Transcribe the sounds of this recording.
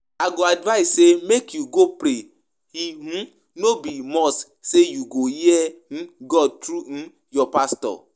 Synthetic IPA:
aɡoadvaɪssemekjuɡopɾe | hiɦũ | nobimɔs | sejuɡojen̩ɡɔd̚tɾun̩ | jɔpastɔ̰

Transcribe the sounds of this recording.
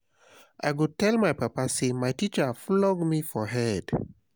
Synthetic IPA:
ʔa̰jɡutɛlmajpapasemajtit͡ʃaflɔɡmifɔɦɛd̥

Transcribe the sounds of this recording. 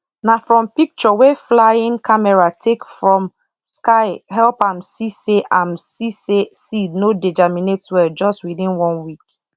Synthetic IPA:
nafɹɔ̃mpik̚t͡ʃɔweflaĩŋkʰamɛɹatʰekfɹɔ̃m | skaɪhɛlpãmsiseʔãmsisesidnodid͡ʒaminetwɛd͡ʒɔstwiðĩnwɔ̃nwik

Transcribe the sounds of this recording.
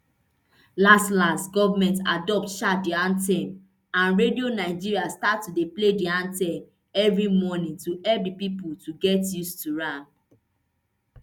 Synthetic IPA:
lastlãnsɡɔvamɛ̃nta̰dɔp̚tʃat̚diãntɛ̃m | ãnɹedionaɪd͡ʒiɹiastatːudeplediãntɛ̃m | ɛvɹimɔnĩŋtuʔɛp̚dipiputuɡɛtjustuɹãn

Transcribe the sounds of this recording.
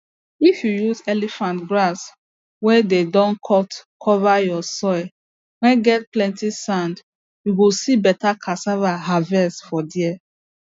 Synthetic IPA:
ifjujuzɛlifãntɡɹas | wɛdedɔ̃nkʰɔtkʰɔvajɔsɔɪ | wɛ̃nɡɛt̚plɛ̃ntisãnd | juɡisibɛtakʰasavaɦavɛsfɔdiɛ

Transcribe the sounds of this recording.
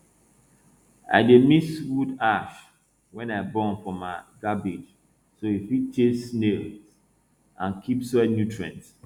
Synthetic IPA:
a̰ɪdemiswudaʃ | wɛ̃naɪbɔ̃nfɔ̃maɡabid͡ʒ | soifit͡ʃʰesnelz | ãnkʰipsɛnjutʰɹɛ̰̃ns

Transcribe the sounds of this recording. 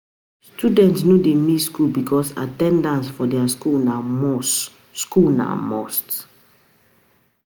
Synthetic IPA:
studɛ̃ntsnodemitskulbikʰɔsa̰tɛ̃ndãnsfɔdɛaskulnams | skulna̰mɔ̰st

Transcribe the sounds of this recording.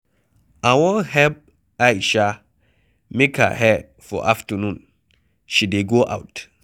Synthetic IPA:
awɔ̃hɛp̚ | ajʃa | meka̰hɛ | fɔ̰ʔaftənũn | ʃideɡoʔa̰ʊt

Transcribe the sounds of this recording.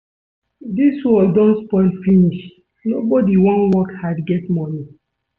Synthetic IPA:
diswɔldɔ̃nspɔɪlfiniʃ | nobɔdiwɔ̃nwɔkhadɡɛtmɔni

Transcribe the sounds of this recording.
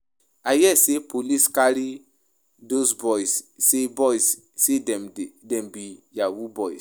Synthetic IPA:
ajɛsepʰoliskaɾi | dosbɔjssebɔjs | sedɛmdɛ̃mbijawubɔjs

